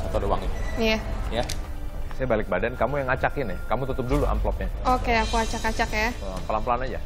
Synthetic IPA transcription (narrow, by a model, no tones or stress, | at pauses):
sat̪adowaŋit̪ujaja | sajabalɪk̚badankamujaŋat͡ʃakɪnɪhkamut̪ut̪ʊp̚duluʔa̰mplɔp̚ɲaokeakuat͡ʃakat͡ʃakjaamplamplanad͡ʒa̰